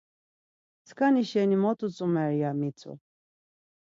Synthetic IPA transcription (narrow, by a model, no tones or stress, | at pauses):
t͡sʰkʰaniʃɛnimɔt̪ʼut͡sʼumɛɾjamit͡sʰṵ